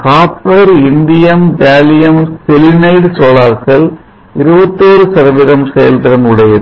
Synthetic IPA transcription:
kaːpɐɾɪnd̪ɪjɐmʋaːlɪjɐmsɛlɪnɐɪɖsoːlaːɾkɐl | ɪɾɯbɐt̪ːoːɾɯsɐɾɐʋɪðɐmsɛjɐlt̪ɐɾɐmɯɽɐjɐð

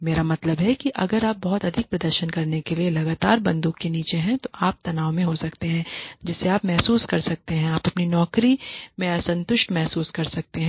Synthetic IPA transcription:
meːɾamɐt̪ləbɦɛkiʔɐ̰ɡəɾaːp̚bɔɦʊt̪ɐd̪ʱɪk̚pɾɐd̪əɾʃənkɐɾnekelielɐɡaːt̪aːɾbɐ̃nd̪uːkːeniːt͡ʃeɦɛ̃t̪oʔaːp̚t̪ɐnaːomẽɦosɐkt̪eɦɛ̃ːd͡ʒɪsːeaːpmɛɦsuːskɐɾsɐk̚t̪eɦɛ̃aːpɐpninɔːkɾimẽsɐ̃nt̪ʊʃʈmɛɦsuːskɐɾsɐk̚t̪eɦɛ̃ː

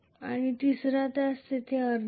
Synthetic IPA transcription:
a̰ɽ̃it̪isɾat̪ast̪et̪ʰeəɾn

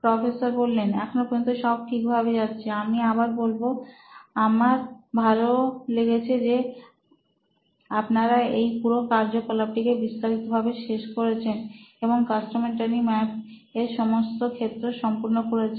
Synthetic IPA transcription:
pɾɔfesoɾbolːenɛ̰kʰonopint̪uʃɔb̚ʈʰik̚bʱaβed͡ʑat̪ːɕʰeamiabaɾbolboamaɾbʱaloleɡet͡ɕʰed͡ʑe | apnaɾaejpuɾokaɾd͡ʑokolaʈʰikebist̪aɾit̪obʱabeʃeʃkoɾet͡ɕʰeneboŋkasʈomeɳʈanimɛp | eɾʃɔmost̪okʰet̪ːɾeʃɔmpuɾnokoɾet͡ɕʰe

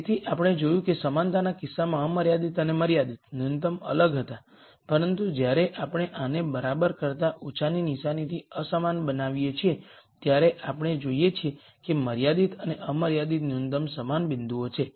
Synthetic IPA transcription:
t̪ʰiʔapəɽ̃ed͡ʒojũkesəmant̪anakɪsːamãəməɾjad̪it̪əneməɾjad̪it̪̚nunt̪əmə̰ləɡɦət̪a | pəɾənt̪ud͡ʒjaɾeʔapɽ̃eʔanebəɾabəɾkəɾt̪aʔut͡ʃʰaninɪʃanit̪ʰiəsəmanbənaʋijet͡ʃʰiet̪jaɾeʔapəɳ̃ed͡ʒoijet͡ʃʰie | keməɾjad̪it̪ʰəneʔəməɾjad̪it̪nunt̪əmsəmanbɪnd̪ʱuot͡ʃʰe

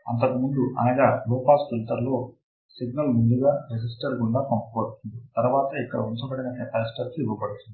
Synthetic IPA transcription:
ɐnt̪ɐkumund̪uʔɐ̰nɐɡaːloːpaːsfilt̪ɐɾlo̞ː | siɡnɐlmund̪uɡaːɾed͡ʒisʈɐɾɡuɳɖaːkɐmpɐɐɽut̪und̪it̪ɐɾʋaːt̪ɐikːɐɽɐunt͡ʃɐbɐɽinɐneːpɐɾisʈɐɾkiiʋɐbɐɽut̪und̪i

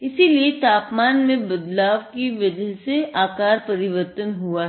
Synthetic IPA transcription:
ɪsiliet̪aːpmaːnmẽbɐd̪laːʋkiʋɐd͡ʒəɦseaːkaːɾpɐɾɪʋəɾt̪ənɦua

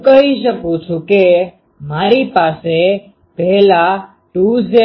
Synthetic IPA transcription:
kəɦiʃəkũt͡ʃʰũke | maɾipase | pɛɦla | ʈuze

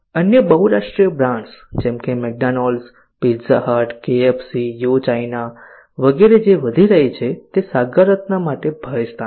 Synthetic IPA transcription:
ənjəbəɦuɾaʂʈɾijəbɾãɳsd͡ʒɛ̃mkemɛk̚ɖanɔls | piɾzaɦaʈkeefsijut͡ʃaina | ʋəɡeɾed͡ʒeʋəd̪ʱiɾəɦet͡ʃʰet̪esaɡəɾət̪namaʈebʱəest̪a

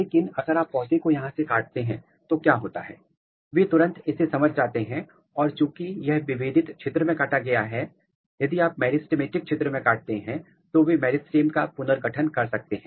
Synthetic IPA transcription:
leːkɪnɐɡəɾaːpːɔːsekojɐɦãsekaːʈ̚t̪eɦɛ̃ | t̪okjaːɦoːt̪a̰ɦɛ̰ː | ʋeːt̪ʊɾə̃nt̪ɪsesɐməd͡ʒʱd͡ʒaːt̪eɦɛ̃ | ɔːɾt͡ʃũːkijɐɦʋɪʋeːd̪ɪt̪t͡ʃʰeːt̪ɾəmẽkaːʈaɡɐjaɦɛ | jɐd̪iaːp̚mɛːɖɪsʈɪmeːʈɪk̚t͡ʃʰeːt̪ɾəmẽkaːʈ̚t̪eɦɛ̃ | t̪oʋemɛːɖɪsʈeːmkapʊnəɾɡɐʈʰənkɐɾsɐk̚t̪eɦɛ̃ː

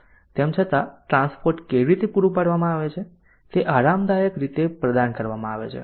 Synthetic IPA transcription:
t̪emt͡ʃʰət̪aʈɾãnspoɾʈkeʋiɾit̪ʰepuɾupaɽʋamãaʋet͡ʃʰe | t̪eʔaɾamd̪ajəkɾit̪epɾəd̪ankəɾʋamãaʋḛt͡ʃʰḛ

